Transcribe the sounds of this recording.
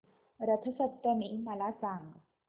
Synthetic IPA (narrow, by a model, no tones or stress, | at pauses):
ɾət̪ʰəsət̪ːəmiməlasaŋɡ